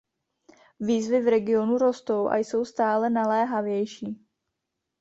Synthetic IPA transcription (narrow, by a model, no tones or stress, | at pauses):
viːzvɪvɾɛɡɪo̞nuɾo̞st̪o̞wʔa̰jso̞wst̪aːlɛnalɛːɦavjɛjʃiː